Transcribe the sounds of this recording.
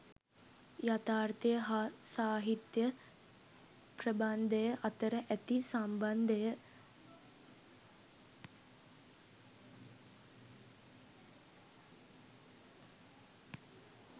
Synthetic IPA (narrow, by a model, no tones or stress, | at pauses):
jat̪aːrt̪ijəɦasaːɦit̪jə | prəband̪əjəʔat̪əɾəʔæt̪isamband̪əjə